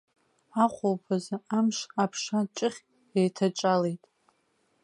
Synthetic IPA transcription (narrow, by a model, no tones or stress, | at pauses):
aχʷowpʰazaamʂapʰʂat͡ʃʼɪχʲ | ejtʰat͡ʃʼalejtʼ